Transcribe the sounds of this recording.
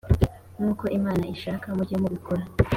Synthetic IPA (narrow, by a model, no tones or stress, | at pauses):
nuːko̞ʔimaːnaiʃaːkamuɾɟemuβiko̞ɾa